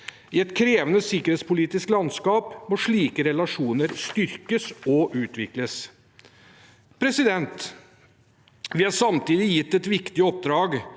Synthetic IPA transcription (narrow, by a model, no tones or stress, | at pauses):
ɪɛt̪kʰɾeːʋənəsɪkːəɾheːt̪spʊliːt̪ɪsklɑnskɑːpmɔʂɭiːkəɾɛlɑʂuːnəɾst̪ʏɾkəsɔʔʉːt̪ʋɪkləs | pʰɾɛsɪd̪ɛnt̪ | ʋɪhɑɾʂɑmt̪iːd̪ɪjɪt̪ːɛt̪ʋɪkt̪ɪɔp̚d̪ɾɑːɡ